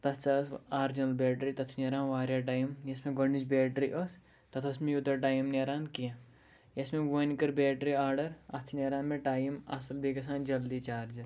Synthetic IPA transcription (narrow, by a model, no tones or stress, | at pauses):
t̪ɐt̪ʰt͡ʃasaːɾd͡ʒɐnɐlbeːʈɾit̪ɐt̪ʰneɾaːnʋaːɾjaːʈaːjimjɐsmẽɡɐɳːit͡ʃbeːʈɾiʔəs | t̪ɐt̪ʰɐsmejut̪ɐʈaːjimneːɾaːnkijã | jɐsmeɡonkɐɾbeːʈɾiaːɾɖɐɾɐt̪ʰneɾaːnmeʈaːjimɐ̰sɐlbeːkɐsãːnd͡ʒɐld̪it͡ʃaːɾd͡ʒɐ